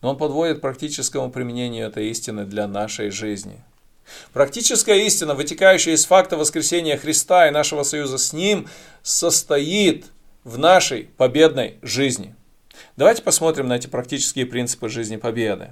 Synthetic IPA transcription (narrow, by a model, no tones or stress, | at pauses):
noonpɐd̪vo̞dʲɪt̪̚pɾɐk̚tʲit͡ɕɪskəmʊpɾʲɪmʲɪnʲenʲɪjʊɛt̪əjisʲtʲɪnːɨd̪lʲɐnaʂəjʐɨzʲnʲɪ̰ | pɾɐk̚tʲit͡ɕɪskəjəisʲtʲɪnːəvɨtʲɪkajʉɕːɪjəɪsfakt̪əvəskɾʲɪsʲenʲɪjəxɾʲɪst̪aɪnaʂɨvəsɐjuzəsʲnʲim | səst̪ɐjit̪ | vnaʂəjpɐbʲe̞d̪nə̰jʐɨzʲnʲɪ̰ | d̪̥ɐvajtʲɪ̥pɐsmo̞t̪ɾʲɪmnɐɛtʲɪ̥pɾɐk̚tʲit͡ɕɪ̥skʲɪjəpɾʲint̪sɨ̥pɨʐɨzʲnʲɪpɐbʲed̪ɨ̰